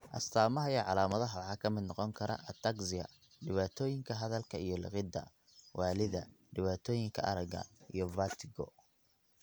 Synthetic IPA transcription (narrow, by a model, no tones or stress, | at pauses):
ʔɐst̪ʰaːmɐɦɐjɛːʕɑlaːmɐðɐɦɐwħɑːkʰɐmɪd̪nɔqɔŋkʰɐɾɐ̰ʔɐt̪ʰɐɡsɪɐ̰ | ɖɪβaːt̪ʰɔːjɪŋkʰɐɦɐðɐlkʰɐijɞlɪ̰qɪd̪ɐ̰ | wɑːlɪðɐ | ɖɪβaːt̪ʰɔːjɪŋkʰɐʔɐ̰ɾɐɡɐ̰ʔijɔbaːt̪ʰɪɣɔ̰